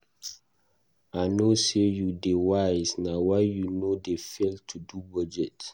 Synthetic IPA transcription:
anosejudewaɪznawaɪjunodefeltʰudubɔd͡ʒɛt

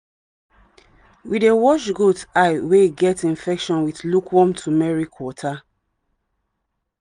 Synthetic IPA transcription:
widewɔʃɡotaɪweɡɛtĩnfɛkʃɔ̃nwiθlukʰwɔ̃mtʰumɛɹikʰwɔtʰa

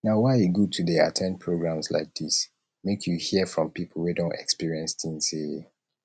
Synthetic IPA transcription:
naʊwaɪiɡud̚tʰudeatʰɛ̃nd̚pʰɹoɡɹãmsla̰ɪk̚d̪is | mekʰjuhiəfɹɔ̃mpipʰl̩ˠwidõntɛ̰kspiɹiɛ̃nstĩŋse

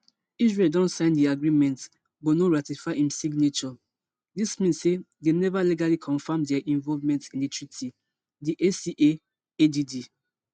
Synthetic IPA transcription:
isɹeldɔ̃nsãɪ̃ndiaɡɹimɛ̃nt | bonoɹatifaɪĩmsiɡnet͡ʃɔ | dismĩnse | denɛvaliɡalikʰɔ̃nfãmdɛʔĩnvɔlvmɛ̃ntsĩnditʰɹitʰi | diʔesiʔe | edidi

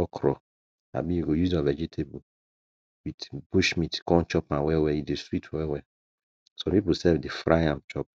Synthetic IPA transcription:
ɔkʰɾɔ̰ | a̰bijuɡojuzɔ̃vɛd͡ʒitʰebu | witbuʃmitkɔ̃nt͡ʃɔpãwɛwɛjudeswitʰwɛwɛ | sɔ̃pipusɛvdefɾajãmt͡ʃɔp̚

